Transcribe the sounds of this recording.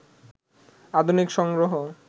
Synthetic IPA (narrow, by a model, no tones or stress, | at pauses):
ad̪ʱunikʃɔŋɡɾoɦo